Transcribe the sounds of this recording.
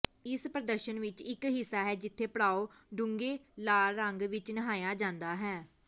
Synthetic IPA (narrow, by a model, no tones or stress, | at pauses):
ɪspɾəd̪əɾʃənʋɪt͡ʃɪkɦɪsːaːɦɛːd͡ʒɪt̪ʰːeːpəɽaːoːɖʊŋɡeːlaːɾəŋɡʋɪt͡ʃnəɦaːjaːd͡ʒãːnd̪aːɦɛː